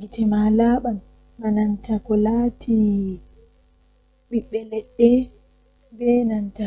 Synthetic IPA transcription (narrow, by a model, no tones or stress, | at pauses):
ɡitɛmalaːɓanː | anantakɔlatʰi | ɓiɓːɛlɛɗːɛ | bɛnanta